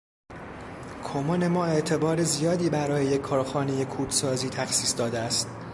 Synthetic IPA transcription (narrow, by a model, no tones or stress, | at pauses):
kʰomone̞mɒːe̞ʔt̪ʰe̞bɒːɾe̞zijɒːd̪iːbæɾɒːjejekʰːɒːɾxɒːne̞je̞kʰuːd̪sɒːziːt̪ʰæxsiːsd̪ɒːd̪eæst̪̚